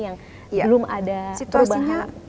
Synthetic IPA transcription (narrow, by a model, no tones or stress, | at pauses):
jaŋ | bəlʊmadat̪əɾbaɲa